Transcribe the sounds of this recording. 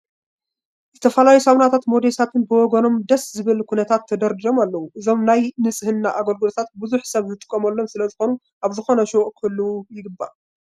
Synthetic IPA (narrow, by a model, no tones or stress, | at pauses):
zɨt̪ʰɐfɐlajusawnat̪ʰat̪mo̞d̪esat̪ʰɨnbɨwɔɡɐno̞md̪ɐszɨβɨlkʰunɐt̪ʰat̪ʰːɐd̪ɐɾd̪ɨɾo̞malːɐwuʔɨzo̞mnajnɨt͡sʼɨhɨnːaʔaɡɐlɡɨlot̪ʰat̪̚bɨzuħsɐβzɨt̪ʼɨ̥kʼːɐmɐlːo̞msɨlɐzɨxo̞nu | ʔaβzɨxo̞nɐʃoʔkʰɨlːuwujɪɡɨbːa̰